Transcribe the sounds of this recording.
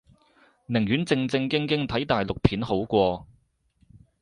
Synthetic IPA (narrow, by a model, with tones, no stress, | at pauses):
nɪ˨˩ŋjyː˨˥nt͡sɪ˧ŋt͡sɪ˧ŋkɪ˥ŋkɪ˥ŋt̪ʰɐ˨˥jt̪aː˨˩jlʊ˨k̚pʰiː˨˥nho˨˥wkʷɔː˧